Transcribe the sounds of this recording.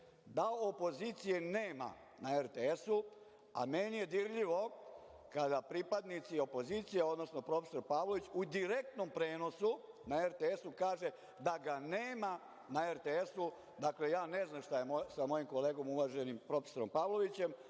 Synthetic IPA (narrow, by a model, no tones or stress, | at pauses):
d̪aopo̞ziːt̪sijeneːma̰ | naeɾt̪eesu | a̰menije̞d̪iɾʎiʋo̞ | kad̪apɾipad̪nit̪sio̞po̞zit̪sijeo̞d̪no̞sno̞pɾo̞feso̞ɾpaːʋlo̞ʋit͡ɕud̪iɾe̞k̚t̪no̞mpɾe̞ːno̞sunaeɾt̪eesukaːʒe | d̪aɡaneːma | naeɾt̪eesu | d̪akle̞jaːne̞znamʃt̪ajemosamo̞jimko̞le̞ːɡo̞muʋaʒe̞nimpɾo̞feso̞ɾo̞mpaːʋlˠo̞ʋit͡ɕe̞m